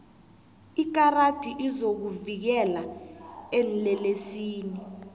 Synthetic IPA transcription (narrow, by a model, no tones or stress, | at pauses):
ik̬arad̥ʱiʔizok̬uvik̬ɛla | ɛnlɛlesiːni